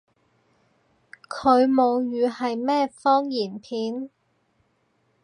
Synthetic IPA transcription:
kʰɵ˨˧ɥmo˨˧wjyː˨˧hɐ˨jmɛː˥fɔː˥ŋjiː˨˩npʰiː˨˥n

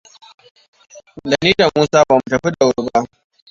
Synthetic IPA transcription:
da˨niː˦da˨muː˦saː˦baː˨mu˦tɐ˨ɸi˦ɗa˨wʊ˨ɽba˦ʔ

